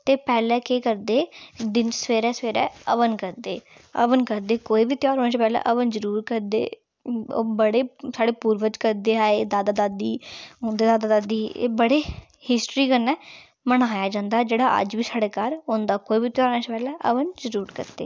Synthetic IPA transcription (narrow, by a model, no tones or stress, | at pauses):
t̪eːpɛːlɛːkeːkəɾd̪eːd̪ɪnsəʋeːɾɛːsəʋeːɾɛ̰ːəʋənkəɾd̪ḛː | ə̰ʋənkəɾd̪eːkoːiːbiːt̪ɪjaːɾɦoːnaːt͡ʃepɛːlɛ̰ːʔəʋənzəɾuːɾkəɾd̪ḛː | o̰ːbəɽeːsaːɽeːpuːɾʋəd͡ʒkəɾd̪eːaːeːd̪aːd̪aːd̪aːd̪iːɦõːnd̪eːd̪aːd̪aːd̪aːd̪iːḛːbəɽeː | hɪsʈɾiːkəɾnɛː | mənaːjaːd͡ʒãːnd̪aːd͡ʒeːɽaːʔə̰d͡ʒʋiːsaːɽeːkaːɾɦõːnd̪aːkoːiːbiːt̪ɪjaːɾoːnaːt͡ʃepɛːlɛːʔəʋənzəɾuːɾkə̰ɾd̪ḛː